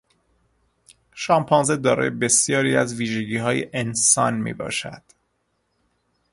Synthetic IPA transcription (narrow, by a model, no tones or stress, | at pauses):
ʃɒːmpʰɒnze̞d̪ɒːɾɒ̰ːjebe̞sjɒːɾiːæzviːʒeɟiːɦɒːjeʔensɒ̰ːnmḭːbɒ̰ːʃæ̰d̪̥